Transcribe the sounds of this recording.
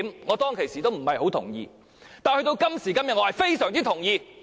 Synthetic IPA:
mŋɔː˨˧t̪ɔː˥ŋkʰe˨jsiː˨˩t̪o˥wm̩˨˩hɐ˨jho˨˥wt̪ʰʊ̰˨˩ŋjḭː˧ | t̪aː˨nhɵ˧ɥt̪o˧wkɐ˥msiː˨˩kɐ˥mjɐ˨t̚ɔː˨˧hɐ˨jfe˥jsœː˨˩ŋt͡s̪iː˥t̪ʰʊ˨˩ŋjiː˧

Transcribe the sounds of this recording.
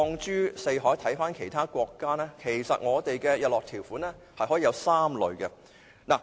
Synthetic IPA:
ɔː˧ŋt͡ʃyː˥se˧jɦɔː˨˥jt̪ʰɐ˨˥jfaː˥nkʰe˨˩jt̪ʰaː˥kʷɔː˧kːaː˥nɛː˥kʰe˨˩jsɐ̰˨t̚ŋɔː˨˧t̪e˨jkɛː˧jɐ˨t̚lɔː˨k̚t̪ʰi˨˩wfuː˨˥nɛː˥ | hɐ˨jhɔː˨˥iː˨˧jɐ˧wsaː˥mlɵ̰˨˧ɥɡɛ˧ | naː˨˩

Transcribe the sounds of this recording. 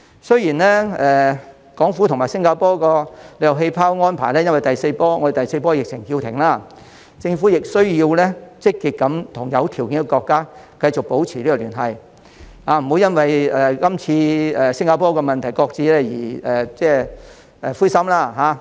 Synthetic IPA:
sɵ˥ɥjiː˨˩nlɛː˥ɛː˨ | kɔː˨˥ŋfuː˨˥t̪ʰʊ˨˩ŋmaː˨jsɪ˥ŋkaː˧pɔː˥kɔː˧le˧jɐ˨wɦe˧jpʰaː˥wŋɔː˥npʰaː˨˩jlɛː˥jɐ˥nwɐ˨jt̪ɐ˨jse˧jpɔː˥ŋɔ˧de˨jt̪ɐ˨˩jse˧jpɔː˥jɪ˨k̚t͡sʰɪ˨˩ŋhiː˧wt̪ʰɪ˨˩ŋlaː˥ | t͡sɪ˧ŋfuː˨˥jɪ˨k̚sɵ˥ɥjiː˧wlɛː˥t͡sɪ˥kːiː˨t̚kɐ˨˥mt̪ʰʊ˨˩ŋjɐ˨˧wt̪ʰiː˨˩wkɪ˨˥ŋkɔː˧kɔː˧kːaː˥ | kɐ˧jt͡sʊ˨k̚po˨˥wt͡sʰiː˨˩liː˥kɔ˧lyː˨˩nɦɐ˨j | aː˧m̩˨˩ho˨˥wjɐ˥nwɐ˨jɛ˨˩kɐ˥mt͡sʰiː˧ɛː˨sɪ˥ŋkaː˧pɔː˥kɔː˧mɐ˨nt̪ʰɐ˨˩jkɔː˧k̚t͡siː˧lɛː˥jḭː˨˩ɛː˨˩t͡sɛː˥˩ | ɛ˨fuː˥jsɐ˥mlaː˥˩ɦaː˨˧˥

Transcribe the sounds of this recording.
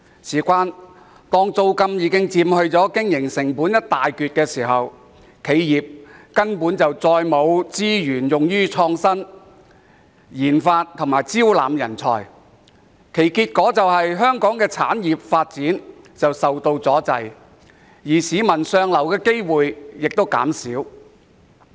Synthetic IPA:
siː˨˩kʷaː˥n | t̪ɔː˥ŋt͡so˧wkɐ˧mjiː˨˧kɪ˥ŋt͡siː˧mhɵ˧ɥt͡sɔː˨˥kɪ˥ŋjɪ˨˩ŋsɪ˨˩ŋpuː˨˥njɐ˥t̚t̪aː˨jkyː˧t̚kɛː˧siː˨˩ɦɐ˨w | kʰe˨˧jjiː˨p̚kɐ˥npuː˨˥nt͡sɐ˨wt͡sɔː˧jmo˨˧wt͡siː˥jyː˨˩njʊ˨ŋjyː˥t͡sʰɔː˧ŋsɐ˥n | jiː˨˩nfaː˧t̚t̪ʰŋmaː˨˩jt͡siː˥wla̰ː˨mjɐ̰˨˩nt͡sʰɔ̰ː˨˧j | kʰe˨˩jkiː˧t̚kɔː˨˥t͡sɐ˨whɐ˨jɦœː˥ŋkɔː˨˥ŋkɛː˧t͡sʰa̰ː˨˥njiː˨p̚faː˧t̚t͡siː˨˥n | t͡sɐ˨wsɐ˨wt̪o˧wt͡sɔː˨˥t͡sɐ̰˨˧j | jiː˨˩siː˨˧mɐ˨˩nsœː˧ŋlɐ˨˩wkɛː˧ke˥jwuː˨jjɪ˨k̚t̪o˥wka̰ː˨˥msiː˨˥w

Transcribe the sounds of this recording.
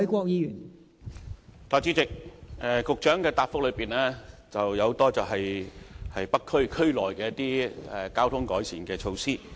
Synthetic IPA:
jkʷɔː˧k̚jiː˨˧jyː˨˩n | t̪ʰaː˨k̚t͡si˨˥t͡sɪ˨k̚ɛ˨kʊ˨k̚t͡ʃœː˨˥ŋkɛː˧t̪aː˨p̚fʊ˥k̚lɵ˨˧ɥpiː˨˩nɛː˥t͡sɐ˨wjɐ˧who˧˥t̪ɔː˥t͡sɐ˨wɦɐ˨jhɐ˨jpɐ˥kʰːɵ˥ɥkʰɵ˥ɥlɔː˨˩jkɛː˧jɐ˥t̪iː˥ɛ˨˩kaː˥wt̪ʰʊ˥ŋkɔː˨˥jsiː˨nkɛː˧t͡ʃʰo˧wsiː˥

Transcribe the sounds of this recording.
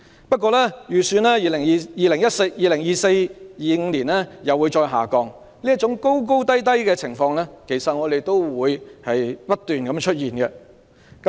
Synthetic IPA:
pɐ˥t̚kʷɔː˧lɛː˥jyː˨˩syː˧nlɛː˥jiː˨˧lɪ˨˩ŋː˨˧jiː˨lɪ˨˩ŋjɐ˥t̚sjiː˨lɪ˨˩ŋjiː˨˧se˧jjiː˨˧ŋ̩˧liː˨˩nlɛː˥jɐ˨wuː˨˧jt͡ʃɔː˧jɦa̰ː˨˩kɔː˧ŋ | liː˥ɐ˥t̚t͡ʃʊ˨˥ŋko˥wk̬o˥wt̪ɐ˥jt̪̬ɐ˥jkɛː˧t͡sʰɪ˨˩ŋfɔː˧ŋlɛː˥kʰe˨˩jsɐ˨t̚ŋɔː˨˧d̪e˨jt̪o˥wwuː˨˧jhɐ˨jpɐ˥t̚t̪yː˨nkɐ˨˧˥mt͡ʃʰɵ˥t̚jiː˨˩nkɛ˧ | kɐ˦

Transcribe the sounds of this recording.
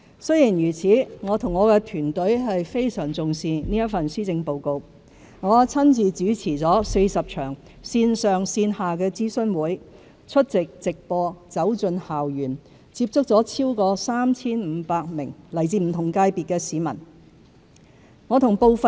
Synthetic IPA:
sɵ˥jiː˨˩njyː˨˩t͡sʰiː˨˥ŋɔː˨˧t̪ʰʊ˨˩ŋɔː˨˧kɛː˧t̪ʰyː˨˩nt̪ɵ˨˥ɥɦɐ˨jfe˥jsœː˨˩ŋt͡sʊ˨ŋsiː˨˧niː˥jɐ˥t̚fɐ˨nsyː˥t͡sɪ˧ŋpo˨˧wko˧w | ŋɔː˨˧t͡sʰɐ˥nt͡siː˨t͡syː˨˥t͡sʰiː˨˩t͡sɔː˨˥se˧jsɐ˨p̚t͡ʃʰœː˨˩ŋ | siː˧nsœː˨ŋsiː˧nhaː˨kɛː˧t͡siː˥sɵ˥nwuː˨˥j | t͡ʃʰɵ˥t̚t͡sɪ˨k̚t͡sɪ˨k̚pɔː˧t͡sɐ˨˥wt͡sɵ˧nhaː˨wjyː˨˩n | t͡siː˧p̚t͡sʊ˥k̚t͡sɔː˨˥t͡sʰiː˥wkɔː˧saː˥mt͡sʰiː˥nm̩ː˨˧paː˧k̚mɪ˨˩ŋlɐ˨˩jt͡siː˧m̩˨˩t̪ʰʊ˨˩ŋkaː˧jpiː˨t̚kɛː˧siː˨˧mɐ̰˨˩n | ŋɔː˨˧t̪ʰʊ˨˩ŋpo˨wfɐ˨

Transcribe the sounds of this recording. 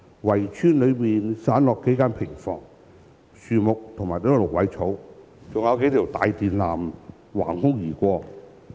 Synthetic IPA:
wɐ˨˩jt͡ʃʰyː˥nlɵ˨˧miː˨nsaː˨˥nlɔː˨kːe˨˥jkaː˥npʰɪ˨˩ŋfɔ̰ː˧˩ŋ | syː˨˧mʊ˨k̚t̪ʰʊ˨ŋmaː˨˩jt̪iː˥kɔ˥˧lʊ˨˩k̚wɐ˨˥jt͡sʰo˨˥w | t͡sʊ˨ŋjɐ˨˧wke˧˥jt̪ʰi˨˩wt̪a̰ː˨jt̪iː˨nlaː˨˩m | wa̰ː˨˩nhʊ˥ŋjiː˨˩kʷɔː˧

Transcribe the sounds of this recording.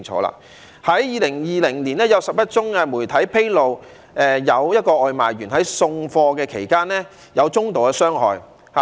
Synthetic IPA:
ŋt͡ʃʰɔ̰ː˨˧˥la̰ː˧˥ | hɐ˨˥jjiː˨˧lɪ˨˩ŋjiː˨lɪ˨˩ŋli˨˩nɛː˥jɐ˨˧wsɐ˨˩p̚jɐ˥t̚t͡ʃʊ˥ŋɛː˧muː˨˩jt̪ʰɐ˨˥jpʰe˥jlo˨w | ʔɛ˨jɐ˨˧wjɐ˥t̚kɔː˧ʔɔː˧jma̰ː˨˩jɥyː˨˩nhɐ˨˥jsʊ˧ŋfɔː˧kɛː˧kʰḛ˨˩jkaː˥nɛː˥ | jɐ˨˧wt͡sʊ˥ŋt̪o˨wɐ˧sœː˥ŋɦɔ̰ː˨j | ha˨

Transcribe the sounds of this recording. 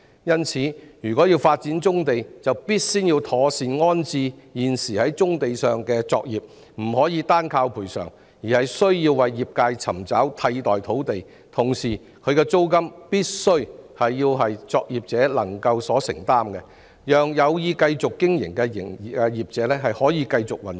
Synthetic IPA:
jɐ˥nt͡sʰiː˨˧˦jyː˨˩kɔː˨˥jiː˧wfaː˧t̚t͡siː˨˥nt͡sʊ˥ŋt̪e˨jt͡sɐ˨wpiː˥t̚siː˥njiː˧wt̪ʰɔː˨˧siː˨nŋɔː˥nt͡siː˧jiː˨˩nsiː˨˩hɐ˨˥jt͡sʊ˥ŋt̪e˨jsœː˨˩ŋkɛ˧t͡sɔː˧k̚jiː˨p̚ | m̩˨˩hɔː˨˥jiː˨˧t̪aː˥nkʰaː˧wpʰuː˨˩jsœ̰ː˨˩ŋ | jiː˨˩hɐ˨jsɵ˥ɥjiː˧wːɐ˨jːiː˨p̚kaː˧jt͡sʰɐ˨˩mt͡sɐ˨˥wt̪ʰɐ˧jt̪ɔː˨˩jt̪ʰo˨˥wt̪e˨j | t̪ʰʊ˨˩ŋsiː˨˩ | kʰɵ˨˧ɥkɛ˧t͡so˥wkɐ˥mpiː˥t̚sɵ˥ɥhɐ˨jːiː˧wɦɐ˨jt͡sɔː˧k̚jiː˨p̚t͡sɛː˨˥lɐ˨˩ŋkɐ˧wsɔː˨˥sɪ̰˨˩ŋt̪aː˥mkɛ˧ | jœː˨ŋjɐ˨˧wjiː˧kɐ˧jt͡sʊ˨kːɪ˥ŋjɪ̰˨˩ŋkɛ˧jɪ˨˩ŋ˨ɛ˧jiː˨p̚t͡sɛː˨˧˥lɛː˥ɦɐ˨jhɔː˨˥jiː˨˧kɐ˧jt͡sʊ˨k̚wɐ˨n

